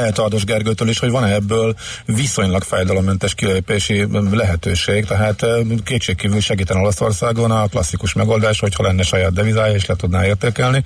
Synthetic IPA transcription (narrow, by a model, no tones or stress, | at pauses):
ɛɦɛt̪ɒrd̪oʒɡɛrɡøːt̪øːliʃho̞ɟvɒnɛbːøːlviso̞ɲlɒkfaːjd̪ɒlomːɛnt̪ɛʃkileːpeːʃilɛɦɛt̪øːʃeːɡt̪ɛɦaːt̪keːt̪t͡ʃeːk̚kːiːvylʃɛɡiːt̪ɛno̞lɒso̞̰rsaːɡonɒklɒsːikuʃmɛɡo̞ːld̪aːʃho̞chɒlɛnːɛʃɒjaːd̪̚d̪ɛvizaːjɒeːʃlɛt̪ud̪na̰ːeːrt̪eːkɛlni